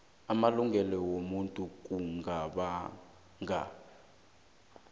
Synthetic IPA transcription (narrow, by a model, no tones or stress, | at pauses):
amaluŋɡɛlɔwomuntʼuk̬ʼuŋaɓa | ŋa